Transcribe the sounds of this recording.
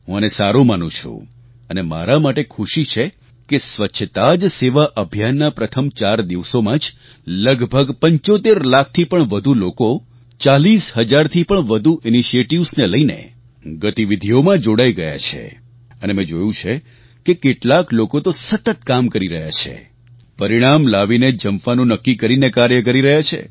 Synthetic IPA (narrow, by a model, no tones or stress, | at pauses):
ɦũənesaɾũmanṵ̃t͡ʃʰṵ̃ | ənema̰ɾamaʈekʰuʃit͡ʃʰe | kesʋətːʃʰət̪ad͡ʒseʋaʔəbʱjanːapɾət̪ʰəmt͡ʃaɾd̪iʋsomãd͡ʒ | ləɡbʱəɡpə̃ɲt͡ʃot̪eɾlak̚ʰt̪ʰipəɳʋəd̪ʱuloko | t͡ʃalisɦəd͡ʒaɾt̪ʰipəɳʋəd̪ʱuʔiniʃieʈiʋsneləinḛ | ɡət̪iʋid̪ʱiomãd͡ʒoɽaiɡəja̰t͡ʃʰḛ | ənemẽd͡ʒojũt͡ʃʰe | kekeʈlaklokot̪osət̪ət̪̚kamkəɾiɾəɦja̰t͡ʃʰḛ | pəɾiɽ̃amlaʋined͡ʒəmfanũnəkːikəɾinekaɾjək̬əɾiɾəɦjat͡ʃʰḛ